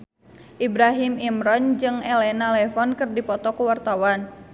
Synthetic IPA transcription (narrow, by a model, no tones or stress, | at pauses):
ʔibɾaɦimimɾɔnd͡ʒɨŋɛlɛnalɛfɔnkɨrdipɔt̪ɔkuwart̪awan